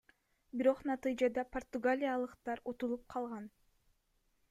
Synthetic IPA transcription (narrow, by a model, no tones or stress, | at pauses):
biɾo̞qnɑt̪ɨjd͡ʒɑd̪ɑpʰort̪uɡalʲijalˠɯqt̪ɑɾut̪ulˠup̚qʰɑlˠʁɑn